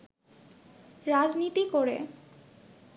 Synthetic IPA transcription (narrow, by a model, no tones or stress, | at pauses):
ɾad͡ʑnit̪ikoɾḛ